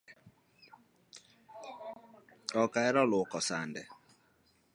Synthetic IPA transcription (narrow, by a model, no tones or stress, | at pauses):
ɔkaɛɾɔlʊkɔsandɛ